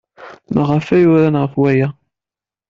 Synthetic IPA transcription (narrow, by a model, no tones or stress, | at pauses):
məʁəfæjʊɾænʁəfwæjæ